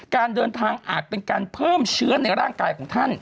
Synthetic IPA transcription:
kaː˧ndɤː˧nt̪ʰaː˧ŋʔaː˨˩t̪̚pe˧nkaː˧npʰɤː˥˩mt͡ɕʰɯ˦˥ɐna˧jɾaː˥˩ŋkaː˧jkʰɔː˩˦ŋt̪ʰa˥˩n

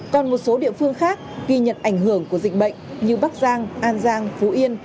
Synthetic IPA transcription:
kɔ˨˩nmo˨˩t̚so˨˦ɗḭ˧˨əfɨ˧əŋxaː˦˥k̚ɣi˧ɲə̰˧˨nʔa˧˩jŋ̟ɦɨ˧˩əŋku˧˩əzï˨˩k̟̚ɓə̰˧˨jŋ̟ɲi˨˧˩wɓa˦˥k̚zaː˧ŋʔaː˧nzaː˧ŋfu˨˦ʔi˧ən

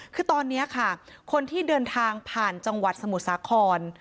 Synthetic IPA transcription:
kʰɯː˧t̪ɔː˧nːi˦˥ɐkʰa˥˩kʰo˧nt̪ʰiː˥˩dɤː˧nt̪ʰaː˧ŋpʰaː˨˩nt͡ɕa˧ŋwa˨˩t̪̚sa˧mu˨˩t̪̚saː˩˦kʰɔː˧n

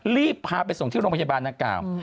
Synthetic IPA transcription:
liː˥˩pʰːaː˧pa˧jso˨˩ŋt̪ʰiː˥˩ɾoː˧pʰa˧a˧aː˧nda˧ŋkla̰ː˨˩w

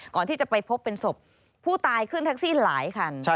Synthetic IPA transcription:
kɔː˨˩nt̪ʰiː˥˩t͡ɕa˨˩pa˧jpʰo˦˥pːe˧nso˨˩p̚ʰː | uː˥˩t̪aː˧jkʰɯ˥˩nt̪ʰa˦˥k̚siː˥˩nlaː˩˦jkʰa˧n˦

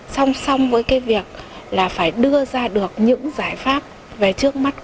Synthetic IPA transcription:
sa˧wŋ͡msa˧wŋ͡mvəː˨˦jkaː˨˦jvi˨˩ək̚ | laː˨˩faː˧˩jɗɨ˧əzaː˧ɗɨ˨˩ək̚ɲɨ̰˧˥ŋzaː˧˩jfaː˦˥p̚ | ve˨˩t͡ɕɨ˦˥ək̚ma˦˥t̚

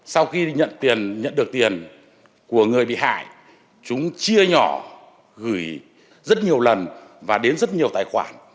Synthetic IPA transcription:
sa˧wxi˧ɲə̰˧˨nt̪i˨˩ənɲə̰˧˨nɗɨ˨˩ək̚t̪i˨˩ən | ku˧˩əŋɨ˨˩əjɓḭ˧˨ha̰ː˧˨j | t͡ɕʊ˨˦ŋ͡mt͡ɕi˧əɲɔ˧˩ | ɣɨ˧˩j | zə˦˥t̚ɲi˨˩əwlə˨˩nvaː˨˩ɗe˨˦nzt̚ɲi˨˩əwt̪aː˨jxwa̰ː˧˩n

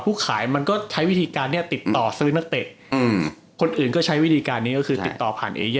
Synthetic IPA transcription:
pʰuː˥˩kʰaː˩˦jma˧nkɔː˥˩t͡ɕʰa˦˥jwi˦˥˩t̪ʰiː˧kaː˧nːi˥˩ɐt̪i˨˩t̪ːɔː˨˩sɯː˦˥na˥˩k̚t̪e˨˩t̪̚ː | kʰo˧nʔɯː˨˩nkɔː˥˩t͡ɕʰa˦˥jwi˦˥˩t̪ʰiː˧kaː˧nːiː˦˥˩kɔ˥˩kʰɯː˧t̪i˨˩t̪ːɔː˨˩pʰa̰ː˨˩nʔḛː˧j

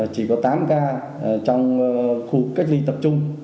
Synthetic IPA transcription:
t͡ɕi˨˩kɔ˨˦t̪aː˨˦mkaː˧˩ | t͡ɕɔ˧wŋ͡mxu˧˨˩k̚ːa˦˥k̚li˧t̪ə˨˩p̚t͡ɕʊ˧ŋ͡m

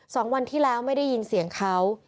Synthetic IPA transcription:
sɔː˩˦ŋwa˧nt̪ʰiː˥˩lɛː˦˥wma˥˩jda˥˩ji˧nsi˨˩˦əŋkʰa˦˥w

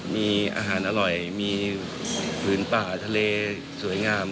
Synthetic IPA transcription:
miː˧ʔa̰ː˧ɦaː˩˦nʔa˧ɾɔ˨˩jmiː˧ | pʰɯː˩˦npaː˨˩t̪ʰa˧leː˧ | su˩˦əjŋaː˧m

